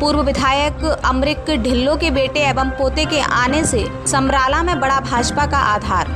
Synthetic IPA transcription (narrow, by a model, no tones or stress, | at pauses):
puːɾwəʋɪd̪ʱaːjəkɐmɾɪkɖʱɪlːõkebeːʈeɛːbəmpoːt̪ekeʔaːnese | sɐmɾaːlamẽbɐɽabʱaːd͡ʒpakaʔaːd̪ʱaːɾ